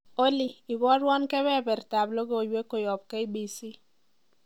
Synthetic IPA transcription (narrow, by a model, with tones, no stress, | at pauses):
o˦li˨i˨bɔ˦ɾwɔ˦nkɛ˦bɛ˦˨bɛ˨rta˨blo˦ɡo˦˨jwe˦ko˨jɔ˨b̚ke˦i˦bi˨si˦